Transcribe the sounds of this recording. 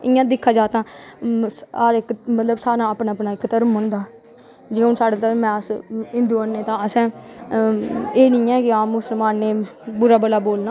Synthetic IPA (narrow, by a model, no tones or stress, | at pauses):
ɪjãːd̪ɪkʰːaːd͡ʒaːt̪ãː | aːɾɪkmət̪ləbsaːɾãːəpnaːpnaːɪkːt̪əɾmɦʊ̃nd̪aː | d͡ʒəʊnsaːɽaːt̪əɾmɛ̃ːəsɪ̃nd̪uːənːeːt̪ãːəsɛ̃ː | eːnĩːɛːkɪãːmːʊsəlmaːnːeːbʊɾaːbəlaːboːlnãː